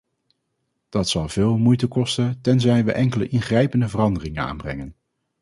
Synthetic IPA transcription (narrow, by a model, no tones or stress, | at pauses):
d̥ɑtsɑlˠv̥ɪːlˠmujtəkɔstəntɛnzɛjʋəʔɛŋkələʔɪnχrɛjpəndəvərɑndərɪŋəna̰ːnbrɛ̰ŋən